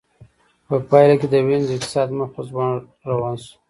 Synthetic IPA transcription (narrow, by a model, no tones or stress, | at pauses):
pəpɑjlaked̪əwenzɪk̚t̪ɪ̥sɑd̪mapas̬bɑn | ɾawɑnsu̥